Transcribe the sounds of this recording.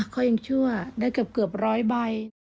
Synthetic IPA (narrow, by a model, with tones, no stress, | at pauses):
kʰɔː˧˩ja˧ŋt͡ɕʰu˥˩ɐdaː˥˩jka˨˩p̚kɯ˨˩əp̚ɾɔː˦˥jba˧j